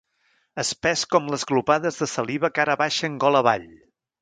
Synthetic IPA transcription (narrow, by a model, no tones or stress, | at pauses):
əspɛskɔmləzɣlupaðəzðəsəliβəkaɾəβaʃəːŋɡɔləβa̰ʎ